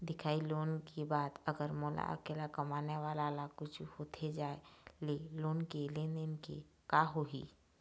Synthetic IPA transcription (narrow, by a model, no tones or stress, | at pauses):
d̪ɪkʰaːiloːnkebaːt̪əɡəɾmɔːla̰kɪlakəmaːneʋaːlalakʊt͡ʃʰhoːt̪ʰed͡ʒaːeleloːnkeleːnenkḛ | kaɦoɦḭ